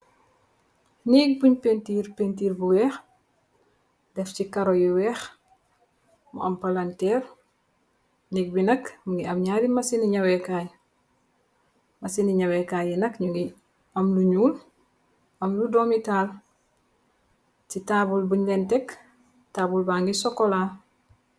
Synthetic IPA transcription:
niɡ̚puɲpentiːɾpentiːɾbuwɛːx | dɛfcikɐɾojiwɛːx | mṵʔɐmpalantɛːr | niɡ̚binɐkmuŋɡiɐmɲaɾimɐsiniɲɐwɛkaj | mɐsiniɲɐwɛkajinɐkɲuŋɡi | ɐmluɲuːl | ɐmludomitaːl | citaːbulbuɲlɛntɛk | taːbulbaŋɡisɔkola

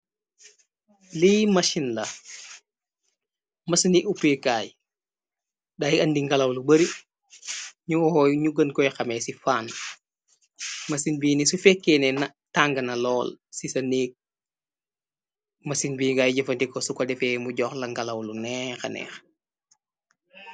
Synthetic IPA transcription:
liːmɐʃinlɐ | mɐsɐniʔupekaːj | dajɐndiŋɡɐlɐwlubəɾi | ɲuɲuɡənkɔjxɐmɛsifaːn | mɐsinbiːnisufɛkːɛnɛnɐ | taːŋɡɐnɐlɔːlsisɐneːk̚ | mɐsinbiːɡaːjɟɔfɐntikɔsukɔdɛfɛmuɟɔːxlɐŋɡɐlɐwlunɛxɐnɛ̰ːx

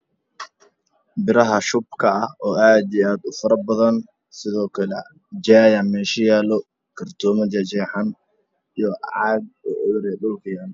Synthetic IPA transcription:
bɪɾɐɦɐʃʊb̚kʰɐɐhɔːʔaːd̪ɛaːd̪ʊfɐɾɐbɐðɐn | sɪðɔːkʰɐlɛ̰ | d͡ʒaːjanmɛːʃɐjaːlɔ | kʰɐrt̪ʰɔːmɐd͡ʒɐd͡ʒɛːħan | ijɔʔʕɑːɡ̪̚ɔʔɔɾɛɗɔːkɪjaːn

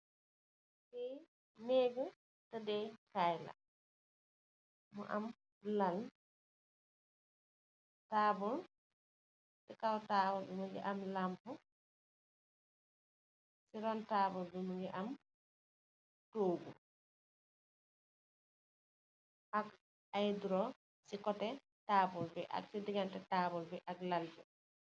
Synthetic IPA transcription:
sɛ | meːɡu | tadɛt͡ʃajla̰ | mɔ̰ʔam | lal | taːbɔl | sɛkawtabɔlbɛmuŋɡɛ̰ʔamlampu | siɾɔntaːbɔlbɛmuŋɡɛʔam | toːɡu | ʔak | ajduɾɔ | sikɔtɛ | taːbɔlbɛʔa̰ksidiɡantɛtaːbɔlbɛʔaklalbɛ

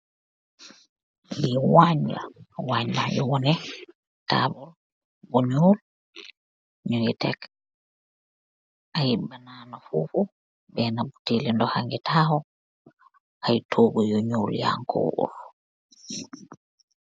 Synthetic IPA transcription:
miwaɲːa̰waɲːajɔwɔnɛ | ta̰bul | buɲol | ɲujɛtɛk | ʔajibananafṵfu | bɛːnabutelɛndɔhaŋɡɛtʰaːhɔ | hajtʰoːɡujɔɲulja̰ŋkʰɔ̰ʔṵl

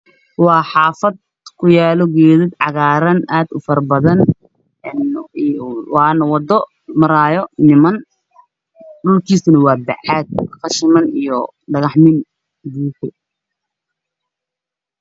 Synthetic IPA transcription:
wɑːħɑːfɐd̪̚ | kʰʊjaːlɔɡɛːðɪd̪ʕɑɣaːɾɐnaːd̪ʊfɐrbɐðɐn | n | wɑːnɐwɑd̪ɔ | mɐɾaːjɔnɪmɐn | ɖʊlkʰiːsʊnɐwɑːbɛ̰ʕaːd̪̚qɑʃɪmɐnijɔ | ɖɐɣɑħmɪn | buːkʊ

